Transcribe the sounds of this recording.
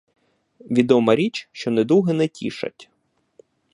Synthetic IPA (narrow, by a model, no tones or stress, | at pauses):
ʋʲid̪ɔmɐɾʲit͡ʃʃt͡ʃɔned̪uɦɛnɛtʲḭʃɐ̰tʲ